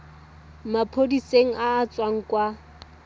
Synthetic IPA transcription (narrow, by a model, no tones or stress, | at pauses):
mapʰodiseŋ̩ʔaːt͡sʼwaŋ̩kʼwa